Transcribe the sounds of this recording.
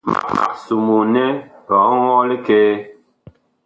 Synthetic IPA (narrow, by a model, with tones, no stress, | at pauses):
ma̰˦pa̰˨su˨mu˨nɛ˦ɾɔ˨˦wɔ˦li˦keː˦